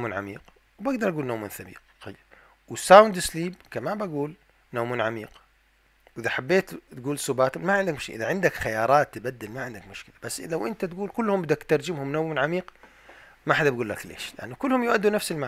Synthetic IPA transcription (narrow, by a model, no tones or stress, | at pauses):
munʕa̰mḭːq | wbaɡd̪ɑɾˤʔaɡuːlnowmunθabḭːq | aj | wɪsawnd̪ɪsliːb̚kamabaɡuːl | nawmunʕamḭːq | wʔɪðaħabːeːt̪t̪ɡuːlsubaːt̪ʊmaʕɪnd̪akmʊʃkɪlʔɪðaʕɪnd̪akxajɑːɾˤɑːt̪ːɪbad̪ːɪlmaʕɪnd̪akmʊʃkɪlab̥asːlawʔɪnt̪at̪ɡuːlkʊlːhʊmbɪd̪akt̪ɑɾˤd͡ʒɪmhʊmnawmnʕamiːq | maħad̪abɡuːlːaklḛːʃlɪʔa̰nːukʊlːhʊmjʊʔad̪ːunafsɪlma